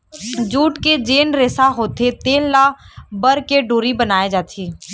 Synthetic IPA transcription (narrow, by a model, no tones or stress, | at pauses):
d͡ʒuːʈked͡ʒeːnɾeːsaɦoːt̪ʰet̪eːllabəɾkeɖoːɾibənaːed͡ʒaːt̪ʰiː